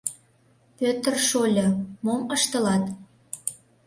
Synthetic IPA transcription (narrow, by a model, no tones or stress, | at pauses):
pʲøt̪ərʃolʲɤmoməʃt̪ə̆lɑt̪